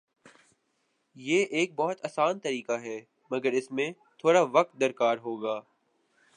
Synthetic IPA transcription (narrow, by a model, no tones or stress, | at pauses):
jeːʔeːk̚bɔːʊt̪ɐːsaːnt̪ɐɾiːkaɦɛː | mɐɡəɾɪsmẽ | t̪ʰoːɽaʋɐq̚t̪̚d̪ɐɾkaːɾɦoːɡaː